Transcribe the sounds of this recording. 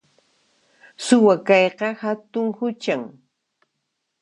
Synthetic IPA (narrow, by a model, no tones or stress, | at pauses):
sʊwakɑjqɑhat̪ʊŋhʊt͡ʃaŋ